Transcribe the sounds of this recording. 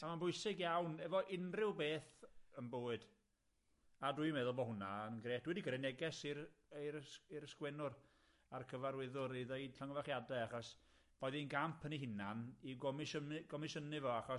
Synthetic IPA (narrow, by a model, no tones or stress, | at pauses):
amanbʊɨsɪɡjawnɛvɔʔɪnrɪwbeːθənboːɨd̥ | adujmɛðʊlˠbɔɦʊnaənɡreːtd̥wɛdiɡəɾɛnɛɡɛsirejiɾəskwɛnʊr | arkʰəvaɾwɪðʊɾiðeɨd̥ɬaŋɔvaχjadaaχɔs | b̥ɔːɨðinɡampʰəniɦɪnaniɡɔmʃəɡ̥ɔmɪʃənɪvɔaχɔ